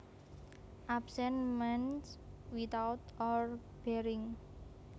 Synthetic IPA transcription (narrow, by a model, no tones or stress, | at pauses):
ʔabsɛnmɛnswit̪awt̪ɔr | b̥ɛɾɪŋ